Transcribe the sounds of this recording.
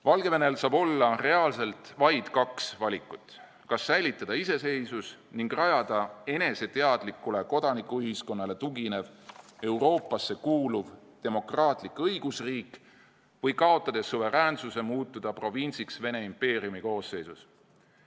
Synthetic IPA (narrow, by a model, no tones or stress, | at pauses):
vɑlɡ̥e̞ve̞ne̞lsɑːbo̞lːɑre̞ɑlse̞lt̪vɑjd̪̥kɑksvɑlʲikːˑut̪ːˑ | kɑsːæjlit̪ːˑɑd̪̥ɑise̞se̞jsus | niŋɡrɑjɑd̪̥ɑe̞ne̞se̞t̪e̞ɑd̪̥likːˑule̞ko̞d̪̥ɑnikːˑuyɦisko̞nːɑle̞t̪uɡine̞ve̞wɾo̞ːpːˑɑsːe̞kuːluv | t̪e̞mo̞krɑːt̪ˑlikɤjɡ̥usriːk | vɤjkɑo̞t̪ˑːɑd̪̥e̞sːuve̞ɾæːnsuse̞muːt̪ːˑud̪̥ɑpro̞vinʲsiksve̞ne̞impe̞ːriumiko̞ːsːe̞jsus